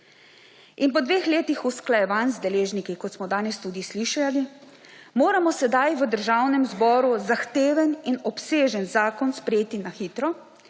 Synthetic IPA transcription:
inpɔd̪ʋeːxleːt̪ixusklajɛʋanzd̪ɛleːʒnikikɔt̪smɔd̪aːnɛst̪uːd̪isliʃali | moːɾamɔsɛd̪ajʋəd̪əɾʒawnɛmzbɔːɾuzaxt̪eːʋəninɔpseːʒənzaːkɔnspɾɛjeːt̪inaxiːt̪ɾɔ

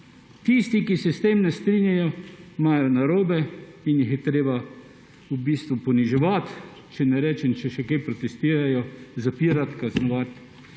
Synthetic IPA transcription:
t̪ist̪ikisɛst̪emnɛst̪ɾinjajɔmaːjɔnaɾoːbɛinjixjɛt̪ɾeːba | ubiːst̪ʋupɔniʒɛʋat̪ | t͡ʃɛnɛɾɛːt͡ʃɛmt͡ʃɛʃɛkejpɾɔt̪ɛst̪iːɾajɔzapiːɾat̪kaznɔʋat̪

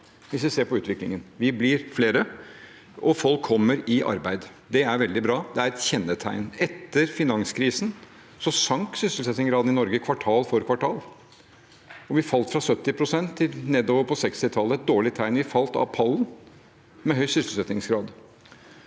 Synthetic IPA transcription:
ʋɪsʋɪseːɾpɔʉːt̪ʋɪklɪ̰ŋənʋɪblɪɾfleːɾə | ʔɔfɔlkʰːɔmːəɾɪʔɑ̰ɾbæɪd̪ | d̪ɛæɾʋɛld̪ɪbɾɑːd̪ɛæɾɛt̪çɛnːət̪ʰæ̰ɪnɛt̪ːəɾfɪnɑŋskʰɾiːsn̩ | sɔsɑŋksʏsəlsɛt̪nɪŋɡɾɑːd̪nɪnɔɾɡəkʰʋɑʈʰɑːlfɔɾkʰʋɑʈʰɑːl | ɔʋɪfɑlt̪fɾɑsœt̪ːɪpʰɾʊsɛnt̪ʰːɪlneːd̪oːʋəɾpʰɔsɛkst̪ɪt̪ʰɑlːəɛt̪̚d̪oːɭɪt̪ʰæɪnʋɪfɑlt̪ɑ̰pʰɑlːn | mɛɦœʏsʏsl̩sɛt̪nɪŋsɡɾɑːd̪

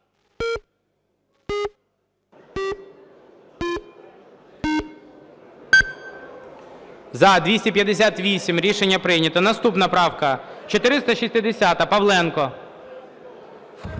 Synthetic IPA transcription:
zɐd̪ʲʋʲisʲtʲipʲjɐd̪esʲat̪ʋʲisʲimɾʲiʃe̞nʲːɐpɾɪjnʲɐt̪ɔnɐst̪upnɐpɾɑwkɐt͡ʃɔt̪ɪɾɪst̪ɐʃisʲt̪ɪd̪esʲat̪ɐpɐwlˠɛnkɔ

